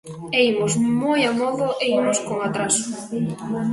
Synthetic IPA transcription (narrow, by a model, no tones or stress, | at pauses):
eimozmojamɔðʊʔeimʊskoŋat̪ɾasʊ̥